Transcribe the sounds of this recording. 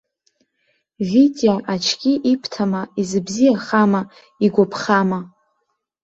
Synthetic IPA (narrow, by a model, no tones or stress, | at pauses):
vitʼiaʔat͡ʃʰkʲiʔipʰtʰamaizɨbzijaχama | iɡʷapʰχama